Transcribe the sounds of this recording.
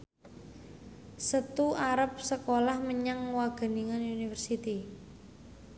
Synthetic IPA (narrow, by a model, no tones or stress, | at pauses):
sət̪uaɾəp̚səkolahməɲaŋwaɡ̥ə̤niŋanunifərsit̪i